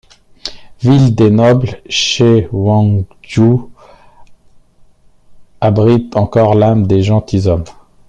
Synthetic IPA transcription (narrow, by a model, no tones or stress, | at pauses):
vild̪enɔblʃewɑ̃ | ʒu | abʁit̪ɑ̃kɔʁlamd̪eʒɑ̃t̪izɔm